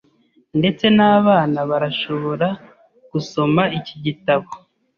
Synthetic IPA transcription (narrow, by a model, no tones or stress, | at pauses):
nde̞t͡se̞naːβaːnaβaɾaʃo̞βo̞ɾa | ɡ̥uso̞maiciɟitaβo